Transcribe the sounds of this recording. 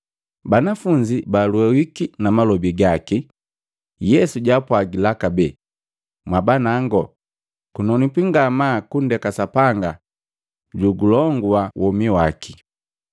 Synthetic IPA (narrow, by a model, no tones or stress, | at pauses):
banafuɲd͡ʒibaluɛwikinamalɔbiɡaki | jɛsuɟapwaɡilakabɛ | mwabanaŋɡɔ | kunɔnipiŋɡamakundɛkasapaŋɡa | ɟuɡulɔŋɡuwawʔɔmiwaki